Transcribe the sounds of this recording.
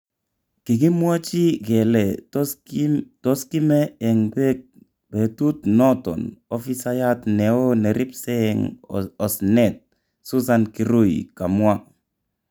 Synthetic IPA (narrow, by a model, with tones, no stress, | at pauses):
ki˨ki˦mwa˦t͡ʃi˦ɡɛ˨lɛ˨ | tɔ˦ski˦mɛ˦ɛ˨ŋbɛ˦k̚ | b̥e˨tu˦tnɔ˦tɔ̰˨nɔ˦fi˦sa˦ja˦tnɛ˨o˦nɛ˨ɾi˦psɛ˦˨ŋɔ˨snɛ˦˨t̚ | su˦sa˦nki˦ɾo˦˨ika˨mwa˦